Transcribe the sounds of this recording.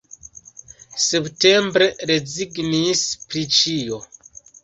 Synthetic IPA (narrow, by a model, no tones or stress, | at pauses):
septe̞mbɾe̞ɾeziɡnispɾit͡ʃijo